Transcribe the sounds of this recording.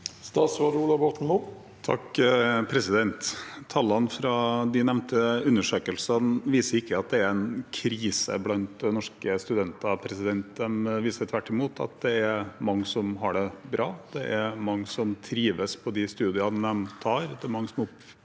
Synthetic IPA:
st̪ɑːsʋɑɖuːlɑʋbɔt̪n̩mu | t̪ʰɑ̰kpʰɾɛsɪd̪ɛnt̪ʰːɑlːɑnfɾɑd̪ɪnɛʋnt̪əʉnːəʂøːkəlsənʋiːsəɾɪkːəɑt̪̚d̪ɛæɾɛnkʰɾiːsə̰blɑnt̪̚d̪ɛnɔʂkəst̪ʉd̪ɛnt̪ɑpʰɾɛsɪd̪ɛnt̪d̪ɛmʋiːsəət̪ʰʋæʈːɪmuːt̪ʰɑ̰t̪̚d̪ɛæɾmɑŋːsɔmɦɑɖɛbɾɑːd̪ɛʔæɾmɑŋːsɔmt̪ʰɾiːʋəspʰɔd̪ɪst̪ʉːd̪ɪɑnɛmt̪ʰɑːɾd̪ɛmɑŋːsɔmɔp

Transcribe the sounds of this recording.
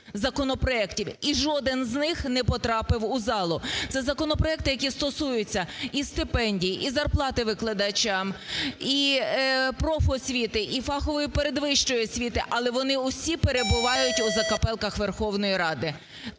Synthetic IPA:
zɐkɔnɔpɾɔɛktʲiwiʒɔd̪ɪnznɪxnɛpɔt̪ɾɑpɪwʊzɑlˠʊt̪sɛzɐkɔnɔpɾɔɛk̚t̪ɪjɐkʲist̪ɔsujʊt͡sʲːɐist̪ɪpɛnʲdʲijiʔizɐrplˠɑt̪ɪʋɪklˠɐd̪ɐt͡ʃʲɑmi | pɾɔfɔsʲʋʲit̪ɪʔifɑxɔʋɔjipeɾed̪ʋɪʃt͡ʃɔjɔsʲʋʲit̪ɪʔɐlˠɛʋɔnɪʊsʲipeɾe̞bʊʋɑjʊtʲʊzɐkɐpɛlˠkɐxʋerxɔwnɔjiɾɑd̪ɪ

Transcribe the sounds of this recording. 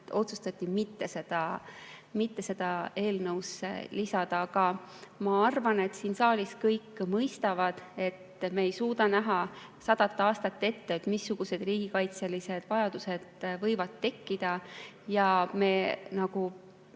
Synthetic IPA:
o̞t̪sust̪ɑt̪ʲːˑimit̪ːe̞se̞d̪̥ɑ | mit̪ːe̞se̞d̪̥ɑe̞ːlnɤwsḛlisɑd̪̥ɑɑɡ̥ɑmɑɑrvɑne̞t̪siːnsɑːliskɤjkːmɤjst̪ɑvɑd̪̥e̞t̪meːjsuːd̪ɑnæɦɑ | sɑd̪̥ɑt̪ːˑeɑːst̪ɑt̪ːe̞t̪ːet̪misːuɡ̥use̞d̪̥riːɡ̥ikɑjt̪selise̞d̪̥vɑjɑd̪use̞d̪̥vɤjvɑd̪ːe̞kːid̪̥ɑ | jɑme̞ːnɑɡ̥u

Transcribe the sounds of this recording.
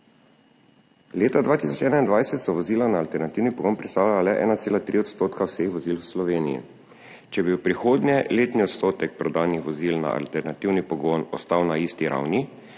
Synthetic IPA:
leːt̪ad̪ʋaːt̪isɔt͡ʃɛːnaind̪ʋajsɛt̪sɔʋɔziːlanaːlt̪ɛɾnat̪iwnipɔɡoːnpɾist̪aːlalalɛʔɛ̰ːnat̪seːlat̪ɾiɔt̪st̪oːt̪kawsexʋɔziːlwslɔʋeːnijḭ | t͡ʃɛbiwpɾixoːd̪nʲɛleːt̪niɔt̪st̪oːt̪ɛk̚pɾɔd̪aːnixʋɔzilna̰ʔa̰lt̪ɛɾnat̪iwnipɔɡɔːnɔst̪awnaiːst̪iɾʔa̰wni

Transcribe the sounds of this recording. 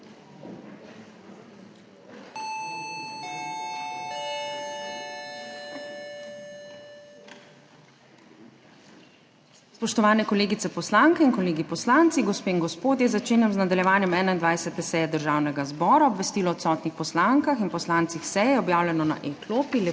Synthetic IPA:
spɔʃt̪ɔʋaːnɛkɔleːɡit̪sɛpɔslaŋkɛinkɔleːɡipɔslant̪siɡɔspeːinɡɔspoːd̪jɛzat͡ʃeːnjɛmznad̪aljɛʋaːnjɛmɛːnaind̪ʋajsɛt̪ɛsɛjɛd̪əɾʒaːwnɛɡazbɔːɾaɔbʋɛst̪iːlɔːt̪sɔːt̪nixpɔslaŋkaxinpɔslant̪sixsɛjɛɔbjaːwlʲjɛnɔna̰ʔekloːpilɛ

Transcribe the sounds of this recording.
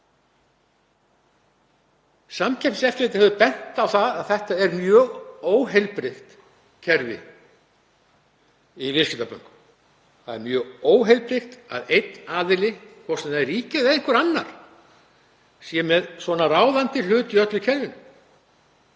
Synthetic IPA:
samcʰɛpsɛft̪lejt̪ɪhœvʏpɛn̥t̪awθaðaðθɛht̪aɛɾmjœːɣoːwɦejlpɾɪxt̪ | cʰɛɾvɪ̰ | ivɪscɪt̪apœ̰ŋkʏ̥ | θaðɛ̰mjœːɣoːwɦejlpɾɪxt̪a̰ðejt̪naːðɪlɪkʰvɔsɛnaɛrriːcɪðɛðeŋkʏɾanːaɾ̥ | sjɛmɛðsvɔnaraːwðant̪ɪl̥ʏːt̪ʏœt̪lʏcʰɛɾvɪnʏm

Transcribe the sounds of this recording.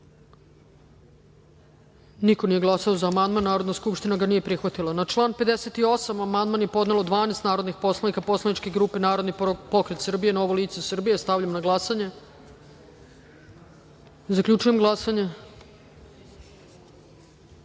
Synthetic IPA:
niko̞nijeɡlˠasaozaːmand̪manːaːɾod̪naskupʃt̪inaɡanije̞pɾixʋat̪ilanat͡ʂlˠaːnpe̞d̪eset̪io̞samamand̪manjepo̞d̪nelod̪ʋaːnest̪naːɾo̞d̪nixpo̞slˠanikapo̞slˠaniʈ͡ʂkeɡɾuːpe̞naːɾod̪nipo̞kɾet̪sr̩bije̞noʋoliːt̪sesr̩bije̞st̪avʎamnaɡlˠasaɲe | zakʎʲut͡ʃuje̞mɡlˠasaɲe

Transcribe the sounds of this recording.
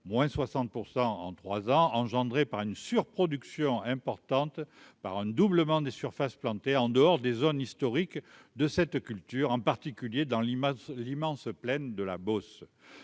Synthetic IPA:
mwɛ̃swasɑ̃t̪̚puʁsɑ̃ɑ̰̃t̪χwazɑ̃ɑ̃ʒɑ̃d̪ʁepaʁynsyʁpχɔd̪yksjɔ̃ɛ̃pɔʁt̪ɑ̃t̪pa̰ʁɛ̃d̪ubləmɑ̃d̪esyʁfasplɑ̃t̪eɑ̃d̪əɔʁd̪ezɔnist̪ɔʁikd̪əsɛt̪kʲylt̪yʁɑ̃paʁt̪ikʲyljed̪ɑ̃llimɑ̃splɛnd̪əla̰bɔs

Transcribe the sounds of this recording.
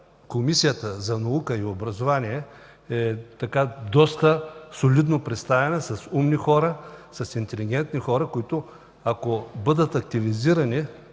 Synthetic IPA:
komisijət̪əzɐnɐukəiobɾɐzovaniɛ | ɛt̪ɐkad̪ɔst̪əsolid̪nopɾɛt̪st̪avɛnəsɐsumnixɔɾəsɐsint̪ɛliɡʲɛnt̪nixɔɾɐkoit̪ʊ | akobɤd̪ət̪ɐk̚t̪iviziɾɐni

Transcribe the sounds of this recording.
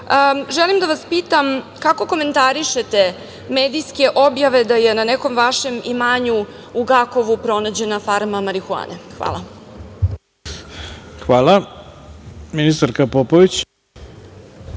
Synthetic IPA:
əʒɛlimd̪aʋaspiːt̪am | kako̞ko̞me̞nt̪aɾiʃet̪e̞ | meːd̪ijske̞ʔo̞bjaʋe̞d̪aje̞naneko̞mʋaʃe̞mimaːɲu | uɡako̞ʋupɾo̞nad͡ʑe̞nafaɾmamaɾixua̰ːnexʋa̰lˠa | xʋaːlˠa | minist̪aɾkapopoʋit͡ɕ

